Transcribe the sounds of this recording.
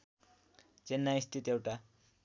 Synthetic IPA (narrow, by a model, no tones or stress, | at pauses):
t͡senːaist̪ʰit̪ewʈa